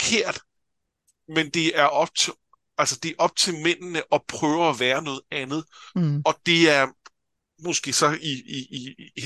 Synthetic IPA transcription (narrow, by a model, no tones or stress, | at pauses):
kʰe̝ɐ̰d̥ | mend̥e̝æɐʔɒ̽b̥̚t͡sʰ | ælsɐd̥e̝æɐʔɒ̽b̥̚t͡sʰe̝lmen̰nəʔɒ̽pʰʁœːʊæʋæːɐnɔ̽ːð̩ˠænð̞̩ˠɒ̽d̥e̝æɐ | mɔsɡ̥e̝̰ːsɒ̽ii